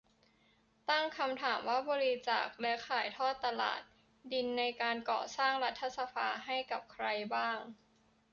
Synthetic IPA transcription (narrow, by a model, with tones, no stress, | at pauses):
t̪a˥˩ŋkʰa˧mt̪ʰaː˩˦mwaː˥˩bɔː˧ɾi˦˥t͡ɕa̰ː˨˩k̚lɛ˦˥kʰaː˨˩˦jt̪ʰɔː˥˩t̪ːa˧la̰ː˨˩t̪̚ | di˧nːa˧jkaː˧nkɔ̰ː˨˩saː˥˩ŋɾa˦˥t̪ʰːa˧˥sa˧pʰaː˧ɦa˥˩jka˨˩p̚kʰɾa˧jbaː˥˩ŋ